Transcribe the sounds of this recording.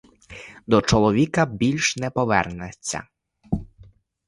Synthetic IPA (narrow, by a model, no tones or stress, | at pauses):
d̪ɔt͡ʃɔlˠɔʋʲikɐbʲilʲʃnɛpɔʋɛ̰rnɛt͡sʲːɐ̰